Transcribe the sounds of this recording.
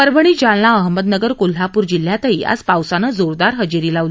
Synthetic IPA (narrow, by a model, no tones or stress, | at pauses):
əɾbʱəɳ̃iːd͡ʑaɭnaəɦəməd̪nəɡəɾkol̤ɦapuːɾd͡ʑil̤jat̪əɦiːa̰d͡zpawsanəd͡zoɾd̪aɾɦəd͡ʑiɾiːlaʋli